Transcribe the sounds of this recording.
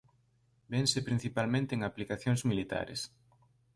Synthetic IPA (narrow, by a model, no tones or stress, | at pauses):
bensepɾin̟θipalmẽnt̪eːŋaplikaθjoŋzmilit̪a̰ɾḛs